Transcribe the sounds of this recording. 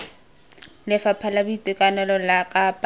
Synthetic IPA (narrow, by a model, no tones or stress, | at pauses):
lɪfapʰalabuitʼɪkʼanɛlɔlakʼapʼ